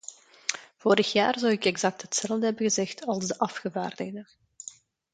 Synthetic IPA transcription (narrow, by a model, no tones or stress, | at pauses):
v̥oːɾəxjaːrzɔwɪkɛɡzɑk̚tɦətsɛlˠvdəɦɛbənɣəzɛxtɑlˠzdəʔɑfxəvaːrdəɣdə